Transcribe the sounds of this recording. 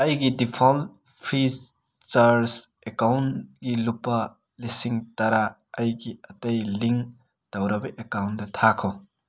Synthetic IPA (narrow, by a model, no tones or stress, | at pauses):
ɐjɡidipʰol̚ | pʰi | t͡ʃaɾs | ekawnɡilupːɐ | lisiŋtɐɾa | ɐjɡiɐtɐjliŋ | tɐwɾɐbɐʔekawndɐtʰakʰo